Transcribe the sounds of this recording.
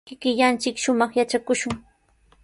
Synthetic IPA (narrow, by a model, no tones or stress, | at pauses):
kɪkɪʎant͡ʃɪkʃʊmɑχjat͡ʃakʊʃʊŋ